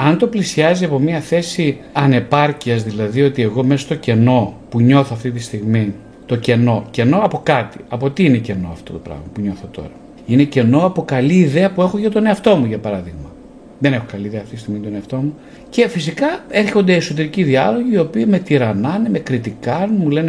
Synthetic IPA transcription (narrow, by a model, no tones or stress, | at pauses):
ɐnt̪o̞plisiɐziɐpo̞miɐθe̞siɐne̞pɐɾciɐzðilɐðio̞t̪ie̞ɣo̞mesost̪o̞ce̞no̞puɲo̞θoɐft̪it̪ist̪iɣmi | t̪o̞ce̞no̞ce̞no̞ɐpo̞kɐt̪iɐpo̞t̪iine̞ce̞no̞̰ɐ̰ft̪o̞t̪o̞pɾɐ̰ɣmɐpuɲo̞θot̪o̞̰ɾɐ | ine̞ce̞no̞ɐpo̞kɐliːðe̞ɐpue̞xo̞ʝɐt̪o̞ne̞ɐft̪o̞muʝɐpɐɾɐðiɣmɐ | ðene̞xokɐliðeɐft̪it̪ist̪iɣmint̪oneɐft̪o̞mu | ce̞fisikɐe̞ɾçond̪e̞ːso̞t̪̬e̞ɾiciðiɐlo̞ʝiːo̞piime̞t̪iɾɐnɐneme̞kɾit̪ikɐnmule̞ne